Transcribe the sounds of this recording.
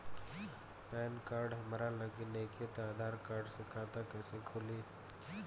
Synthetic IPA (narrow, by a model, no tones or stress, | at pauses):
pɛːnkaːɾɖɦɐmɾalɐɡineːkʰet̪aːd̪aːɾkaːɾɖsɪkʰaːt̪akɛːseɡʰʱʊliː